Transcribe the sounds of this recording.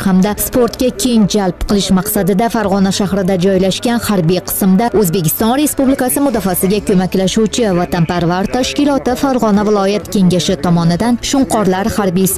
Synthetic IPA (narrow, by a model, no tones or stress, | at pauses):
hamd̪aspʰo̞ɾt̪kʲakʲʰe̞ŋd͡ʒalpqʰɨlˠɪʃmaqsad̪ɪd̪afaɾʁɒnaʃahɾɪd̪ad͡ʒɒjlaʃkʲanhaɾbijqʰɨ̥smd̪aɵzbe̞kʲɪ̥st̪ɒnɾe̞spublikasɪmʊd̪ɒfasɪɡʲakʰɵmakʲlaʃuwt͡ʃʰɪvat̪anpaɾvaɾt̪ʰaʃkʲɪlˠɒt̪ɪfaɾʁɒnavɪlˠɒjat̪kʲʰe̞ŋʲaʃɪt̪ʰɒmɒnɪd̪anʃʊɴqʰɒɾlaɾhaɾbijs